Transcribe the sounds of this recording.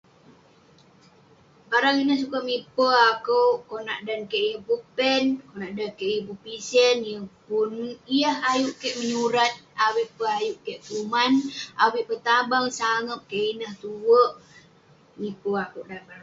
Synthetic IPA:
baɾaŋinəhsukamipəakəwʔkona̰ʔdankeʔijəhpupɛnkonaʔdankeʔijəpupisənjəpunijəɦajuʔkeʔməɲuɾat̪̚awiʔpəajuʔkeʔkumanawiʔpət̪abaŋsaŋəp̚keʔinəht̪uwəʔ | mipəakoʔdanbaɾa

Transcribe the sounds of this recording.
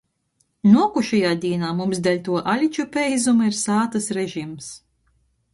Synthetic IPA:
nuɔkuʃɛjaːd̪ʲiɛnaːmumsd̪ɛlʲt̪uɔʔalʲit͡ʃupʲɛjzumiɾsaːt̪ɐsɾɛʒims

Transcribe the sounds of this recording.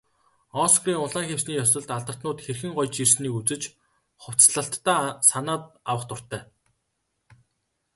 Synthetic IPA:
ɔːsɣriːŋʊɮaːŋxewsniːjɔsɞ̆ɮt̪aɮt̪ə̥̆t̪nʊːt̪xerxɘ̆ŋɢɔjt͡ɕirsniːkut͡sɘ̆t͡ɕ | χʊw̥t͡sɮə̆ɬt̪ːaːsanaːt̪̚awə̆χt̪ʊr̥t̪æː

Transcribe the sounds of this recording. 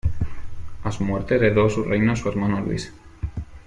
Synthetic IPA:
azmweɾt̪ezðeðosurejnosueɾmanolwḭs

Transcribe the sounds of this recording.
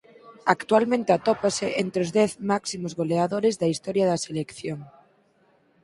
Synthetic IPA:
akt̪ualmẽnt̪eat̪opaseʔent̪ɾeozðeθmaksimozɣoleaðoɾezðaist̪oɾjaðaselekθjoŋ

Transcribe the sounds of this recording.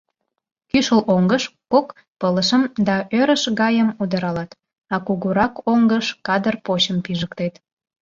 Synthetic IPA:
kyʃəlʔoŋɡəʃkok | pələʃəmd̪ɑʔøɾəʃɣɑjəmud̪əɾɑlɑt̪ | ɑkuɣuɾɑkoŋɡəʃkɑd̪ərpot͡ɕəmpiʒəkt̪et̪

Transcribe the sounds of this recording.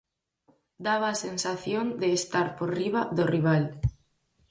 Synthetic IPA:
d̪aβ̞aːsensaθjond̪eːst̪aɾpoɾriβaðoriβ̞al

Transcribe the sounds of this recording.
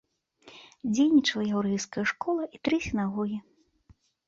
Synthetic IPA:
d͡zʲejnʲit͡ʂɐlˠɐjawɾɛjskɐjɐʂkɔlˠɐʔit̪ɾɨsʲinaɣɔɣʲi

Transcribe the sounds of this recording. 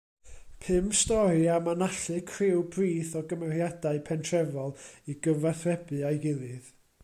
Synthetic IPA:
pʰɨmstɔɾiamanaɬɨkʰrɪwbriːθɔɡəmɛrjadaɨpʰɛntʰrɛvɔlˠiɡəvaθrɛbɨajɡɪlˠɨð

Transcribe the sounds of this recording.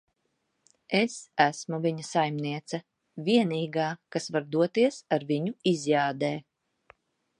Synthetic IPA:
esæsmuvʲiɲasajmniɛt̪sɐ | vʲiɛniːɡaːkasvaɾd̪uɔt̪iɛsaɾviɲuizjaːd̪ɛː

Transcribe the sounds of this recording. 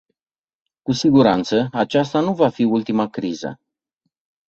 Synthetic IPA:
kusiɡuɾant̪səat͡ʃast̪anuvafiult̪imakɾizə̰

